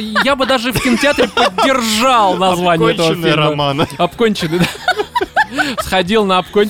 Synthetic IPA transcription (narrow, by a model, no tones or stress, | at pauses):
jabɨd̪aʐɨfkəntʲɪat̪ɾʲɪpədʲːe̞rʐɑlˠnɐzvanʲɪjəɛt̪əvəfeaɐpkonʲt͡ɕɪnɨjd̪a | sχɐdʲilˠnɐɐpkonʲ